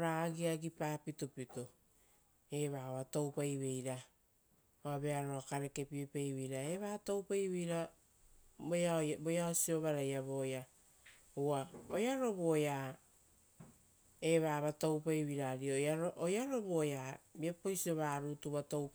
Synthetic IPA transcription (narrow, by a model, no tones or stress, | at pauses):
ɾaɡiaɡipaːpitopito | e̞βaβato̞wpajβe̞jɾa | oabe̞aɾoakaɾe̞ke̞piepejβijɾae̞βato̞wpajβejɾa | babojaosio̞βaɾajaβoja | aojaɾo̞βoja | e̞βaβatowpajβiɾaɾioaɾoʔojaɾo̞βojabiepojsioβaɾutuβato̞wp